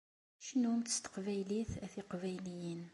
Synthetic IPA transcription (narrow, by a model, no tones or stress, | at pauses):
ʃənumt̪ə̥st̪ə̥qvæjliθæθiqvæjlijən